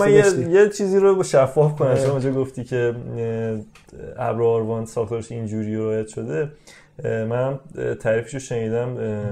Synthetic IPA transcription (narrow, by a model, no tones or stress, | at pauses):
ænjejet͡ʃʰiːziːɾoʃæfːɒːfkʰonæmʃomund͡ʒɒːɡoft̪iːcʰe̞ | æ̰bɾoːɾvɒnsɒːxt̪oːɾeʃind͡ʒuɾiɾɒːjæt̪ʃo̞d̪e̞ | mænhæmt̪ʰæɾiːfi̥ʃoʃe̞niːd̪æm